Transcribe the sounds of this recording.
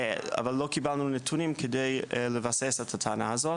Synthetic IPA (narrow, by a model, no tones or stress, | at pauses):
a̰valːokibalnunetʰunimkʰedejlevasesethatʰaːnahazot